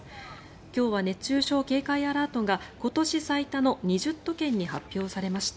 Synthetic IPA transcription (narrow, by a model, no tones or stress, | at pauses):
kʲo̞ːβane̞t͡ɕːɨːɕo̞ːke̞ːkaiaɾaːt̪o̞ɡako̞t̪o̞ɕisait̪ano̞ɲ̟iʑɨt̪ːo̞kẽ̞ɲ̟ːihapʲːjo̞ːsaɾe̞maɕi̥t̪a